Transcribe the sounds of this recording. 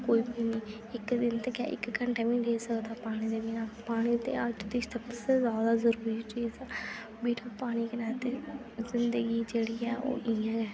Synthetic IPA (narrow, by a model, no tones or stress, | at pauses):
koːiːbiːniː | ɪkd̪ɪnt̪eːka̰ʔɪ̰kkəɳʈeːʋĩːɖeːsəkd̪aːpaːɽ̃ĩːd̪eːbinaːpaːɽ̃iːt̪ḛːəd͡ʒd̪ɪsəbsezaːd̪aːzəɾuːɾiːt͡ʃiːzɛː | biːʈãːpaːɽ̃iːkənɛːt̪e | zɪnd̪əɡiːd͡ʒeːɽiːɛːʔo̰ːʔɪjãːɛː